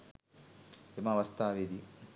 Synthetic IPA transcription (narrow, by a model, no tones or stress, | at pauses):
emɐʋɐst̪ʰaːʋed̪i